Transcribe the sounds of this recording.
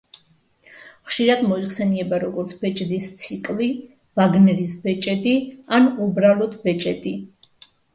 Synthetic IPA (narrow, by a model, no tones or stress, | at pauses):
χʃiɾad̪mɔiχsɛniɛbaɾɔɡɔɾt̪sʰbɛt͡ʃʼd̪ist̪sʰikʼli | vaɡnɛɾisbɛt͡ʃʼɛd̪ianubɾalˠɔt̪ʰbɛt͡ʃʼɛd̪i